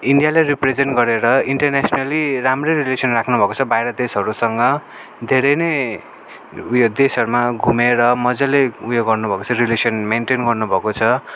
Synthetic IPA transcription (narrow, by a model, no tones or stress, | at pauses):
iɳɖijaleripred͡zenʈɡʌɾeɾʌiɳʈʌrnasnaliramrerilesʌnrakʰnubʱʌkot͡sʰʌbajɾʌd̪esɦʌɾusʌŋɡʌ | d̪ʱeɾʌjne | jod̪esʌɾumaɡʱumeɾʌmʌd͡zʌleujoɡʌrnubʱʌkot͡sʰʌrilesʌnmenʈenɡʌrnubʱʌkot͡sʰʌ